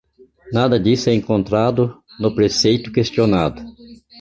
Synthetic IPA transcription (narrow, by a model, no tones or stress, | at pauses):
nad̪ɐd̪isʊɛẽŋkõnt̪ɾad̪ʊ | nʊpɾesejt̪ʊ̥kest̪ionad̪ʊ